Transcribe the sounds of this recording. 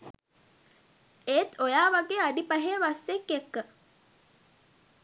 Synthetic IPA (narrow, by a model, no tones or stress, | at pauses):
eːt̪ojaːʋaɡeːaɖipɐɦeːʋasːekːekːə